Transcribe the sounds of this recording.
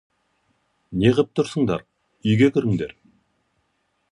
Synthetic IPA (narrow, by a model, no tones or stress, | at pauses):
neʁəp̚t̪ʰʊɾsəɴd̪ɑ̰ɾ | ʏjɡʲekʲʰʏɾɪŋd̪eɾ